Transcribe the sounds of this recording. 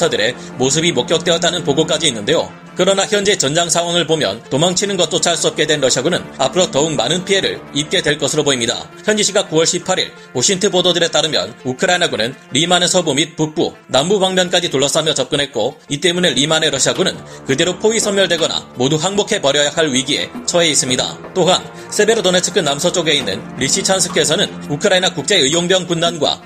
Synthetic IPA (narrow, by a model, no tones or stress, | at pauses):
adɯɾe̞ | mos̬ʰɯbimok͈jʌk̚t͈we̞ʌt͈anɯnpoɡok͈ad͡ʑiːnːɯnde̞jo̰ | kɯɾʌnaçjʌnd͡ʑiet͡ɕʌnd͡ʑaŋsʰaŋwaŋɯɭbomjʌ̰ntomaŋt͡ɕʰinɯnɡʌt̚t͈ot͡ɕʰaɭs͈uʌp̚k͈e̞dwe̞nɾʌɕʰiaɡunɯnapʰɯɾʌtʌukmanɯnpʰie̞ɾɯ̰ɭip̚k͈e̞dwe̞ɭk͈ʌsʰɯɾoboimɲida̰ | çjʌnd͡ʑiɕʰiɡakuwʌɭɕʰipʰːaɾḭɭ | oɕʰiŋtʰɯbododɯɾe̞t͈aɾɯmjʌ̰nukʰɯɾainaɡunɯnɾimanesʰʌbomit̚puk̚p͈ṵ | nambubaŋmjʌnk͈ad͡ʑituɭːʌs͈amjʌt͡ɕʌp̚k͈ɯnɦe̞t̚k͈oit͈e̞mune̞ɾimane̞ɾʌɕʰiaɡunɯnkɯde̞ɾopʰoisʰʌmjʌɭdwe̞ɡʌna̰moduɦaŋmokʰe̞pʌɾjʌjaɦaɭɥiɡie̞̰t͡ɕʰʌe̞is͈ɯmɲida̰t͈oɦan | sʰe̞be̞ɾotonet͡ɕʰɯ̥kʰɯnːamsʰʌt͡ɕ͈oɡe̞inːɯ̰nɾiɕ͈it͡ɕʰansʰɯ̥kʰesʰʌnɯn | ukʰɯɾainakuk̚t͡ɕ͈e̞ɯjoŋbjʌŋpundanɡwa̰